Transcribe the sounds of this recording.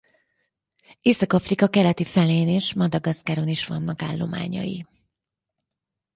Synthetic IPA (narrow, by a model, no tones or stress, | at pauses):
eːsɒkɒfrikɒkɛlɛt̪ifɛleːneːʃmɒd̪ɒɡɒskaːɾo̞niʃʋɒnːɒka̰ːlːo̞̰ma̰ːɲɒ̰jḭ